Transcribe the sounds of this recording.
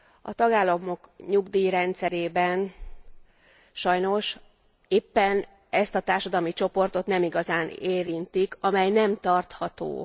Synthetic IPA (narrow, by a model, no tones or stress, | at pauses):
ɒ̰t̪ɒɡaːlːɒmo̞kɲuɡd̪iːɾɛnt̪sɛɾeːbɛn | ʃɒjno̞ʃ | eːpːɛn | ɛst̪ɒt̪aːrʃɒd̪ɒlmit͡ʃo̞po̞rt̪o̞t̪nɛmiɡɒzaːneːɾint̪ikɒmɛjnɛmt̪ɒrt̪hɒt̪o̰ː